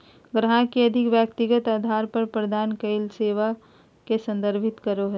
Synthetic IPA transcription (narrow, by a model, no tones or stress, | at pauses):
ɡɾɐɦãkiɐd̪ʱɪkʋjəkt̪ɪɡət̪aːd̪ʱaːɾpəɾpɾɐd̪ʱaːnkeɪlseːʋa | kesɐ̃nd̪əɾbʱɪt̪kəɾoɦɛ